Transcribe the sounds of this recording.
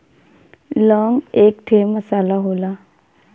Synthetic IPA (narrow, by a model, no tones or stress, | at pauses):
lɔŋekʈʰemːəsalaɦola